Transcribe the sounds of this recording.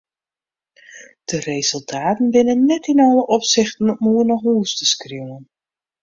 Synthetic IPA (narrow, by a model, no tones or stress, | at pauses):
d̥ərezɵlˠtʰaːtənbɪnənːɛtɪnɑləʔɔpsɪχtənmuərnɔχɦuːstəskriwən